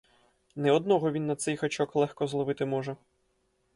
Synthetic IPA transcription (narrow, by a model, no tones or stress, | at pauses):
nɛɔd̪nɔɦɔʋʲinːɐt̪sɛjxɐt͡ʃɔklˠɛxkɔzlˠɔʋɪt̪ɪmɔʒɛ